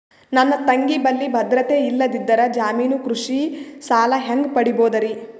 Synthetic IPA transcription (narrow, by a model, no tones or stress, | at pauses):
nɐnːɐt̪ɐŋɡibɐlːibʱɐd̪ɾɐt̪eilːɐd̪id̪ːɐɾɐd͡ʒaːmiːnukɾuʂisaːlɐɦeŋɡpɐɽiboːd̪ɐɾi